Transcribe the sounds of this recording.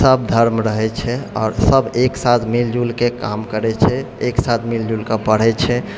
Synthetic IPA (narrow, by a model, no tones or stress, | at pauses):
səb̚d̪ʱəɾmɾəɦɛt͡ʃʰɛɔ̰ːɾsəbʱeksat̪ʰmild͡ʒulkeka̰mkəɾɛt͡ʃʰɛeksat̪ʰmild͡ʒulkepəɽ̤ɛt͡ʃʰɛ